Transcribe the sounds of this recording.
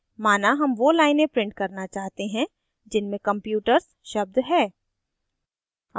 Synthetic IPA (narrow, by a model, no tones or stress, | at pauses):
maːnaɦɐmʋolaːɪnẽpɾɪ̃ɳʈ̚kɐɾnat͡ʃaːɦt̪eɦɛ̃ | d͡ʒɪnmẽkɐ̃mpjuːʈəɾz | ʃɐb̚d̪ɦɛː